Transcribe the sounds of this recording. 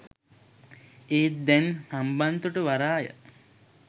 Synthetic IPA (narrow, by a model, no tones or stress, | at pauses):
eːt̪d̪ɛnsamband̪uʈəʋaɾaːjə̰